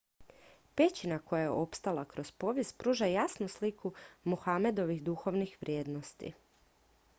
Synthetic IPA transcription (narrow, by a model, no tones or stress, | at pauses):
pe̞t͡ɕinako̞jajḛʔo̞pst̪alakɾo̞zpo̞ʋjespɾuːʒajasnuslikumuxame̞d̪o̞ʋiɣd̪uxo̞ʋnixʋɾʲje̞ːd̪no̞st̪ḭ